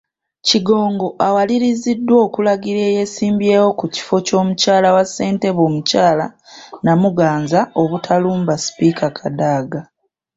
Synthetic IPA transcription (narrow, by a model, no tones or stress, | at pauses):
ciɡo̞ːŋɡo̞ʔawaliɾizidːwo̞ːkulaɡiɾe̞ːje̞siːmbje̞ːwo̞kuci̥fo̞co̞ːmucaːlawasːe̞ːnte̞βo̞ːmucaːlanamuɡaːnzao̞βutʰaluːmbasi̥piːkʰakʰadaːɡa